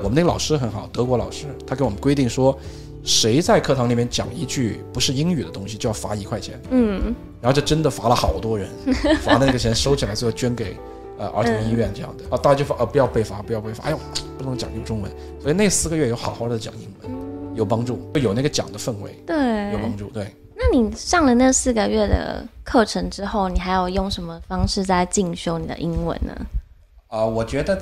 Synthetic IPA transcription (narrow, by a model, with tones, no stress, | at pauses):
wɔ˨˩mə˦ne˥˩ə˩lɑ˨˩ʂɻ̩˥xə˧˥nxɑ˨˩ʊt̪ɤ˧˥kwɔ˧˥lɑ˨˩ʊʂɻ̩˥t̪ʰa˥ke˧˥ɪwɔ˨˩mə˦kwe˥ɪt̪i˥˩ŋʂwɔ˥ | ʂe˧˥ɪt͡sa˥˧ɪkʰɤ˥˧t̪ʰɑ˧˥ŋli˨˩mjɛ˥˩nt͡ɕjɑ̰˨˩ŋi˧˥t͡ɕy˥˩pu˧˥ʂɻ̩˥˩i˥ŋy˨˩d̪ə˦t̪ʊ˥ŋɕi˨t͡ɕjo˥˧ʊjɑ˥˩fa̰˧˥i˧˥kʰwa˥˩t͡ɕʰjɛ˧˥n̩˥˩ɻa˧˥xt͡ɕjʊʈ͡ʂə˥nd̪ə˨fa˧˥lə˧xɑ˨˩ʊt̪wɔ˥ɻə˧˥nfa˧˥lə˧n˥˩ɡət͡ɕʰjɛ˧˥nʂo˥ʊt͡ɕʰi˨˩la˧˥o˧˥˧t͡ɕɥɛ˥nke˨˩ɪ | ə˧ʔə̰˞˧˥t̪ʰʊ˧˥ŋi˥˧ɥɛ˥˧nʈ͡ʂɤ˥˧jɑ̰˥˩ŋd̪ə˩˥˧t̪a˥˩t͡ɕa˧˥t͡ɕjo˥˩ʔə˧˩pu˧˥jɑ˥˧ʊpe˥˩ɪfa˧˥pu˧˥jɑ˥˧ʊpe˥˩ɪfa̰˥jpu˥˩n˧˥ŋt͡ɕɑ̰˨˩ŋi˧˥˩ʈ͡ʂʊ˥ŋwə̰˧˥n | swɔ˥i˨˩ne˥˧ɪsɹ̩˥˩ɡə˩ɥɛ˥˩jo˧˥ʊxɑ˨˩ʊxɑ˥˩˧t͡ɕɑ̰˨˩ŋi˥ŋwə̰˧˥˦njo˨˩ʊpɑ˥ŋʈ͡ʂu˥˩t͡ɕjo˨˩na˥˩ɡə˩t͡ɕjɑ̰˨˩ŋd̪ə˦fə˥˩nwḛ˧˥˦ɪt̪we˥˩ɪjʊpɑ˥ŋʈ͡ʂu˥˩t̪we˥˩ɪ | na˥˩ni˨˩ʂɑ˥˩ŋlə˩nə˥˧sɹ̩˥˩ɡə˧ɥɛ˥˩d̪ə̰˨˩kʰɤ˥˩ʈ͡ʂʰɤ˧˥ŋʈ͡ʂɻ̩˥xo˥˩ʊni˨˩xa˧˥ɪjo˨˩ʊjʊ˥˩ŋʂə˧˥nmə˧fɑ˥ŋʂɻ̩˥˧t͡sa˥˧ɪt͡ɕi˥˩ŋɕjo˥ʊni˨˩d̪ə̰˧ʔi˥ŋwə̰˧˥nnə̰˩ | ə˧wɔ˨˩t͡ɕɥɛ˧˥d̪ə˧